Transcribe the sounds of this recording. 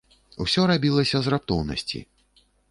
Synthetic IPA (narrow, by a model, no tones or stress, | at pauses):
usʲɔɾabʲilˠɐsʲɐzrap̚t̪ɔwnɐ̰sʲt͡sʲḭ